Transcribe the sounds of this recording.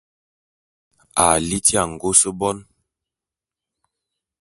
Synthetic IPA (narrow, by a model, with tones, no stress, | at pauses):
a˨li˦ti˦a˨ŋ̩˨ɡo˦sə˦bɔ˦n